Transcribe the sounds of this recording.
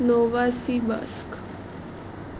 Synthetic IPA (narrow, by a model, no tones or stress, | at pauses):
noʋasiba̰sk